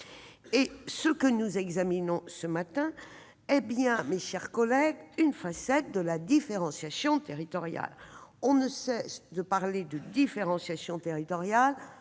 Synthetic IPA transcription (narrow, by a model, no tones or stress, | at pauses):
esəkənuzɛɡzaminɔ̃səmat̪ɛ̃ | ɛbjɛ̃meʃɛʁkɔlɛɡynfasɛt̪̚d̪əlad̪ifeʁɑ̃sjasjɔ̃t̪eʁit̪ɔʁja̰lɔ̃nəsɛsd̪əpaʁled̪əd̪ifeʁɑ̃sjasjɔ̃t̪eʁit̪ɔʁjal